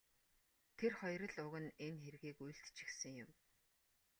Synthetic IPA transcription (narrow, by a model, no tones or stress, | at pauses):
t̪ʰerχɔjɾə̆ɮʊɣɘ̆nenxeɾ̆ɣiːkujɬt̪t͡ɕi̥xsɘ̆ŋjʊm